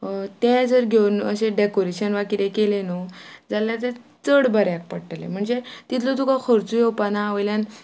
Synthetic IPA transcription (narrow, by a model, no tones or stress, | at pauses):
t̪ɛ̃d͡zəɾɡʱewnəɕeɖekoɾeɕənʋakiɾẽkelẽnod͡zaljat̪̬ɛ̃t͡səɽbʱəɾjak̚pəɽʈlḛm̤əɳd͡zet̪it̪̬lot̪̬ukakʰəɾt͡sujewpanaːʋəjljan